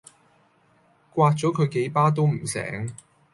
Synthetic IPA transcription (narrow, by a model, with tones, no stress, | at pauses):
kwaː˧t̚t͡sɔː˨˥kʰɵ˨˧ke˨˥jpaː˥t̪̬o˥wm̩˨˩sɛ̰ː˨˥ŋ